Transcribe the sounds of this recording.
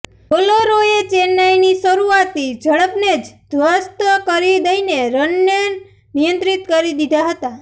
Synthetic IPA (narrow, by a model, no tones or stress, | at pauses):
oloɾojet͡ʃenajnisəɾuat̪id͡ʒʱəɭəpned͡ʒd̪ʱʋast̪əkəɾid̪əineɾənːen | nijənt̪ɾit̪kəɾid̪id̪ʱaɦət̪a